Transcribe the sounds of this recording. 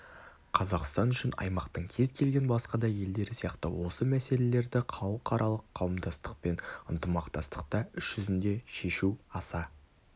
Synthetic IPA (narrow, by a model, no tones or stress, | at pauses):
qʰɑzɑqst̪ɑnʏʃɪnɑ̰jmɑqt̪əɴkʲʰe̞zkʲʰe̞lɡʲe̞nbɑsqɑd̪ɑje̞ld̪e̞ɾɪsijɑqt̪əwo̞səmæse̞le̞le̞ɾd̪ɪqʰɑlˠəqʰɑɾʔɑlˠəqʰːɑwəmd̪ɑst̪əq̚pe̞nənt̪əmɑqt̪ɑst̪ə̥q̚t̪ɑʏʃʒ̥ʏzɪnd̪e̞ʃe̞ʃuɑsɑ